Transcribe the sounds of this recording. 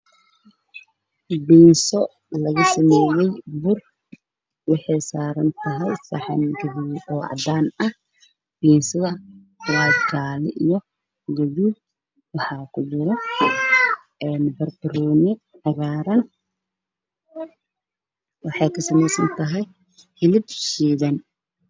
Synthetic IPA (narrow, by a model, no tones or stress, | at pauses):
biːnsɔ | lɐɣɐsɐmɛːjɛjbʊr | wɑħɑjsaːɾɐnt̪ʰɐɦɛjsɐħɑ̰nɡɐðiɔːʔɑ̰d̪aːnɐh | b̥iːnsɐðɐ | waːd͡ʒaːlɪʔijɔ | ɡɐðu | wɑħɑːkʰʊd͡ʒɪɾɔ | ɛːnbɐrbʊɾuːnɪ | ħɑɣaːɾɐn | wɑħɑjkʰɐsɐmɛjsɐnt̪ʰɐɦɛj | hɪlɪd̪ʃiːðɐn